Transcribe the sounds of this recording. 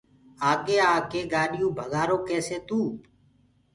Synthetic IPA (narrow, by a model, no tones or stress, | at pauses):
aːkeːaːkeːɡaːɗɪjũːbʱəɡaːɾoːkeːseːt̪ũː